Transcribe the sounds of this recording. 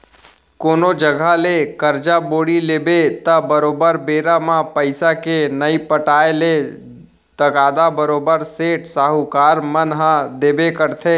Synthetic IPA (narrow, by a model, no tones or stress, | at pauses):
koːnod͡ʒəɡʱalekəɾd͡ʒaboːɽileːbet̪əbəɾoːbəɾbeːɾamãpəɪsakenəipəʈaːele | t̪əɡaːd̪abəɾoːbəɾseːʈsaːɦukaːɾmənɦãd̪eːbekəɾt̪ʰe